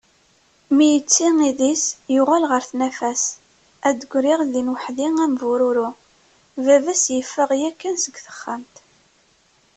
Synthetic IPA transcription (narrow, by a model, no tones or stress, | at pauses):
mijət͡sːiŋiðisjʊʁalʁəɾθnæfæs | æd̪əɡʷɾiʁðinwəħðiŋæmvuɾʊɾu | vævæsjəfːəʁjækːænsəɡʷθə̥χːəmt̪